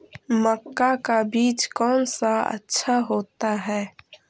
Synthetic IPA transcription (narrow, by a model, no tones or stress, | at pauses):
məkːakabiːt͡ʃkɔːnsaə̰tːʃʰaɦoːt̪aɦɛː